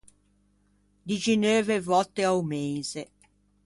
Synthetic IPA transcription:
d̪id͡ʒinøːvevɔt̪ːeawmeze

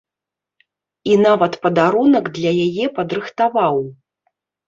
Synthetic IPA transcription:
inavɐt̪pɐd̪aɾunɐɡd̪lʲɐjajɛpɐd̪ɾɨxt̪avaw

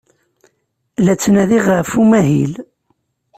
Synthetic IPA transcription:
læt͡sːnæðiʁəfumæɦḭl

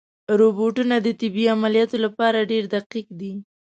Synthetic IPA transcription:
ɾoboʈunad̪ət̪ɪbiamalijɑt̪olapɑɾaɖeɾd̪aqiq̚d̪i

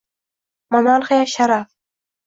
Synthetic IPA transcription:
mamalˠχajaʃaɾaf

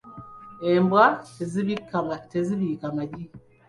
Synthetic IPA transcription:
embwaz | teziβikamaɟi

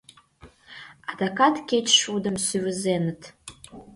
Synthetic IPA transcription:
adakʰatʰkʲejt͡ʃʰʂudɨmsivɨzenɨtʰ

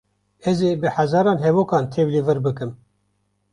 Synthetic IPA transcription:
ɛzeːbɨħazɑːɾɑːnɦɛvoːkɑːnt̪ʰevlivɨɾbɨkɨm

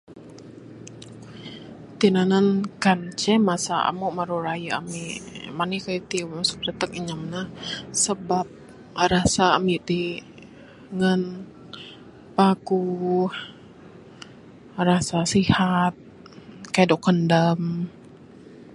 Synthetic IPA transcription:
t̪inanənkant͡ʃɛmasaa̰muʔməɾuɾajaa̰mimanikajt̪imasʊ̥k̚dət̪ək̚əɲamnahsəbap̚ | ɾasaːmit̪i | ŋən | pakuh | rasasihat̪̚ | kadɔkəndəm

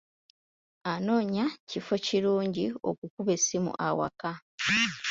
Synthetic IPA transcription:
ano̞ːɲacifo̞ciɾuːɲɟio̞̰kukuβe̞simṵʔawa̰ka

